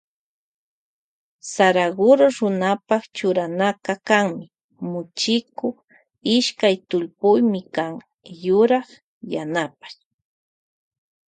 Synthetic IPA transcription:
saɾaɢʊɾoɾʊnapaχt͡ʃʊɾanakakaŋmɪ | mʊt͡ʃɪkoχ | ɪʃkajt̪ʊlpʊjmɪkaŋ | jʊɾɑχ | janapḁj

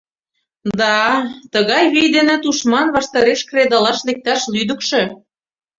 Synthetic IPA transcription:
d̪ɑt̪əɣɑjβijd̪enĕt̪uʃmɑnβɑʃt̪ɑɾeʃkred̪ɑlɑʃlek̚t̪ɑʃlyd̪ə̆kʃĕ

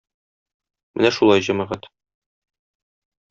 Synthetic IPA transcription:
mɘnæʃulˠɑjʑæmæʁæt̪

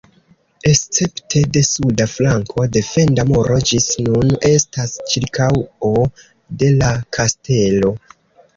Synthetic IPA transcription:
e̞st͡se̞ptʰe̞de̞sudaflaŋkʰo̞de̞fe̞ndamoɾo̞d͡ʒisnune̞stast͡ʃiɾkawo | de̞lakʰaste̞lo̞

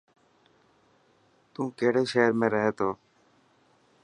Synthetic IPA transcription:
t̪ũːkeːɽeːʃeːəɾmẽːɾəɦeːt̪oː

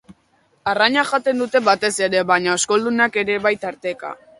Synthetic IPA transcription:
araɲaʝat̪e̞nd̪ut̪e̞βat̪e̞se̞ɾe̞βaɲaosko̞ld̪unake̞ɾe̞βajt̪aɾt̪e̞ka̰

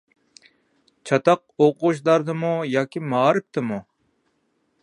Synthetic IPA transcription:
t͡ʃʰɑt̪ɑq̚oqʃ̬d̪ɑɾd̪ɨmujɑːkʲʰimɑːɾɨp̚t̪ʰɨmu

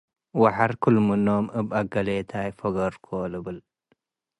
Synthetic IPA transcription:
waħaɾkʰɨlmɨnomɨβaɡɐlet̪ʰajfoɡɐɾkʰolɨβɨl

